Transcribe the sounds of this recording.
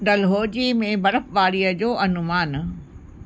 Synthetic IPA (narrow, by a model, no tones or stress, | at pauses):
ɖɐlɦoːd͡ʑimẽbɐɾəfʋaːɾiəd͡ʑoːʔɐnʊmaːn